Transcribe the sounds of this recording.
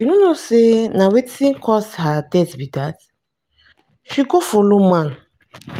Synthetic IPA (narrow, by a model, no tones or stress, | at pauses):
unonosenawetĩnkʰɔshadɛsbidat | ʃiɡofolomãn